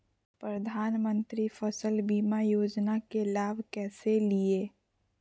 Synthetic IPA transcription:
pɾɐd̪ʱaːnmə̃nt̪ɾifəsəlbiːmajoːd͡ʒnakelaːbʱkɛːselieː

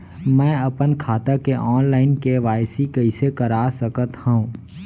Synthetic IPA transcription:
mɛ̃ːɐpənkʰaːt̪akeʔɔːnlaːɪnkeʋaːjsikɐisekəɾaːsəkət̪hõũː

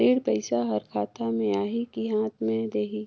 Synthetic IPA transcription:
eːɽpɐɪsaɦɐɾkʰaːt̪amẽaːɦikiɦãːt̪ʰmẽd̪eːɦi

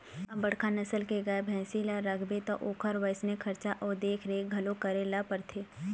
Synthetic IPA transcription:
ɐbɐɽ̤kʰanɐsəlkeɡɐebʱɛ̃ːsilaɾəkʰbet̪oʔoːkʰəɾʋəɪsnekʰɐɾt͡ʃaʔɔːɾd̪eːkʰɾeɡʱɐlõkɐɾelapɐɾt̪ʰeː

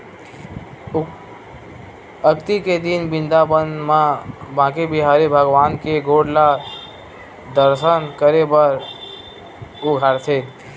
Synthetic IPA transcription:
əkt̪iked̪inbĩnd̪abənmãbãkibiɦaɾibʱəɡʋaːnkeɡoɽla | d̪əɾsənkəɾebəɾ | uɡʱaɾt̪ʰe

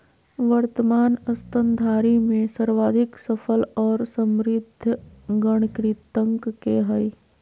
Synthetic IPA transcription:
ʋəɾt̪əmaːnɐst̪ənd̪ʱaːɾimẽsəɾʋaːd̪ʱɪksəfʰəlɔːɾsə̃mɾɪd̪ʱːɡəɽ̃kɾit̪ə̃ŋkkeɦəi

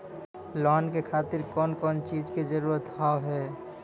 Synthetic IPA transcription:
lɔːnkekʰaːt̪ɪɾkɔːnkɔːnt͡ʃiːd͡ʒked͡ʒəɾuːɾət̪ɦaːoɦɛː

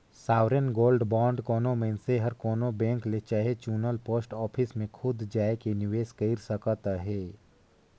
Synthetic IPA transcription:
saːʋɾənɡoːlɖbɔ̃ːɳɖkɔːnõmẽnseɦəɾkoːnobɛ̃ːŋklet͡ʃaːɦet͡ʃuːnəlpoːsʈɔːpʰɪsmẽkʰʊd̪d͡ʒaːekenɪʋeːʃkəɪɾsəkət̪aɦɛː

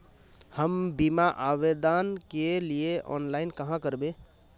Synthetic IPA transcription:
həmbimaʔabed̪ankelieʔɔ̰nlaɪnkəɦãkəɾbe

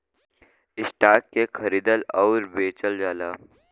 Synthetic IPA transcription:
ɪsʈ̪aːt̚kekʰəɾiːd̪əlɔʊɾbeːt͡ʃəld͡ʒaːlaː

